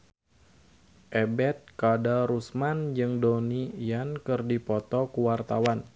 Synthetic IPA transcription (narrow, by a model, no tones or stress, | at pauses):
ʔɛbɛt̪̚kadaɾusmand͡ʒɨŋdonijankɨrdipɔt̪ɔkuwart̪awan